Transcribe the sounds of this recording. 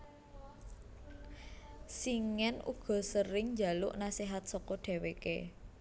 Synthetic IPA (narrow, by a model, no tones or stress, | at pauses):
siŋɛnʔṵɡ̥ɔ̤səɾɪŋɲd͡ʒa̤lʊʔnasiɦat̪̚sɔkɔɖ̪̥e̤wekḛ